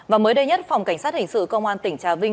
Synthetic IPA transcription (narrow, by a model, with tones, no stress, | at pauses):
vaː˨˩məː˨˦jɗə˧jɲə˦˥t̚fa˨˩wŋ͡mka˧˩jŋ̟saː˦˥t̚hï˨˩ŋ̟sɨ̰˧˨kə˧wŋ͡mʔaː˧nt̪ï˧˩ŋ̟t͡ɕaː˨˩vï˧ŋ